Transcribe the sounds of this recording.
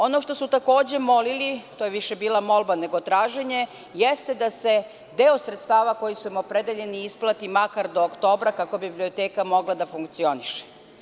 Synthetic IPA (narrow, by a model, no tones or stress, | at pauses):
o̞noʃt̪o̞sut̪ako̞ːd͡ʑe̞mo̞lilit̪oːjeʋiʃebiːlamo̞lbane̞ɡo̞t̪ɾaːʒe̞ɲe̞ | jest̪ed̪ase̞ | d̪e̞osɾet̪st̪aːʋako̞jisumopɾe̞d̪eʎe̞niisplˠat̪imakaɾd̪o̞ːkt̪o̞ːbɾakako̞bibblio̞t̪eːkamo̞ɡlˠad̪afuŋkt̪sio̞niʃe̥